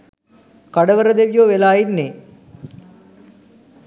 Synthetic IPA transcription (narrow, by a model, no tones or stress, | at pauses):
kaɖəʋəɾəd̪eʋijoːʋelaːjinne